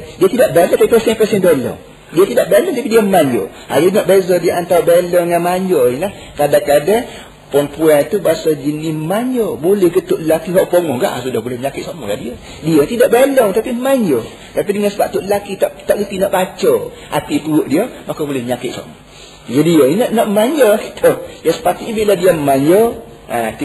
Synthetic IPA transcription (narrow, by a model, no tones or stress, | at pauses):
diət̪idaʔbalə̃t̪apipəsɛnpəsɛnbelɔ̰ŋ | diət̪idaʔbelɔŋt̪apidiəəmaɲɔ̰ | a̰jənɔʔbezɔdiəʔant̪awbelɔŋŋanmaɲɔilah | kadakada | pɔnpuɛnt̪ubasad͡ʒənimaɲɔbulɪhkət̪ʊʔləlakiɦɔʔpoŋɔhɡa̰ʔsudabulɪhməɲakɪt̪̚samɔɡa̰ʔdiə | diəɲt̪idaʔbelɔŋt̪apiəmaɲə | t̪apidəŋansəbap̚t̪uʔləlakit̪aʔt̪aʔkət̪inɔʔbat͡ʃə | ʔa̰t̪ipuʊʔdiəmakobolɪhməɲakɪt̪̚sa̰mɔ | d͡ʒadiəinəʔnɔʔmaɲɔakit̪ʰəjasə̥pat̪iʔɲbiladiəməmaɲə | at̪